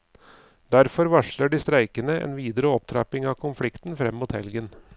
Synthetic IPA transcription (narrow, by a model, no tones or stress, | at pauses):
d̪̥æɾfɔɾʋɑʂɭəɖiːst̪ɾæɪkənəʔḛːnʋiːd̪əɾəɔp̚t̪ʰɾɑ̰ːpɪŋɑːkʰʊnflɪkt̪n̩fɾɛmːmuːt̪hɛ̰lɡən